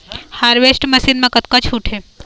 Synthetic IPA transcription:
haːɾʋesʈmɐsiːnmẽkɐt̪̚kat͡ʃʰuːʈʰe

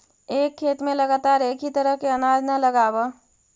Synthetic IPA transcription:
eːkʰːeːt̪mẽləɡaːt̪aːɾeːkit̪əɾəɦkeənaːd͡ʒnələɡaːba

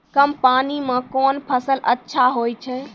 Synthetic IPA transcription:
kɐmpaːnimãkɔːnpʰɐsəlɐtːʃʰaɦoːit͡ʃʰə

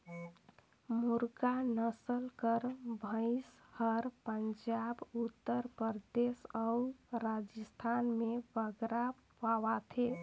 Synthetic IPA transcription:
muɾkanəsəlkəɾbʱə̃ɪshəɾpənd͡ʒabut̪ːəɾpəɾd̪esauɾad͡ʒəst̪ʰanmebəɡɾa | paʋat̪ʰe

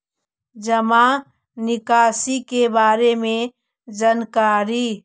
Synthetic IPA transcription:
d͡ʒɐma | nɪkaːsikebaːɾemẽ | d͡ʒənkaːɾi

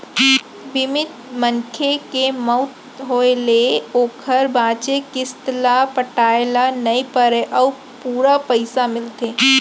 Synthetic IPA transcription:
bɪmɪt̪mənkʰekemɔʊt̪ | ɦoːeleoːkʰəɾbãːt͡ʃekɪst̪lapəʈaːelanɐipəɾeʔɔː | puːɾapəɪsamɪlt̪eː

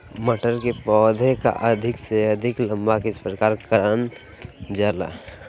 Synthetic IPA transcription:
məʈəɾkepɔːd̪ʱeka̰ʔəd̪ʱɪkseəd̪ʱɪklə̃mbakespɾəkaːɾkəɾən | d͡ʒaːla̰

